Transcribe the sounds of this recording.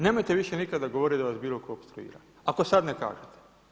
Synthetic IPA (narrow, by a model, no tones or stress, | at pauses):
neːmojt̪eʋiʃenikad̪ːaɡo̞ʋoɾid̪aʋasbiːlˠo̞koopst̪ɾuḭːɾa̰ | ako̞sad̪neka̰ːʒet̪e̥